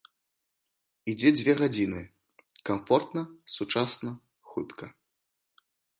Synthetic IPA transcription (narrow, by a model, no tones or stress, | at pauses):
id͡zʲɛd͡zʲvʲɛɣad͡zʲinɨ | kamfɔrt̪nɐsut͡ʂasnɐ | xut̪kʰɐ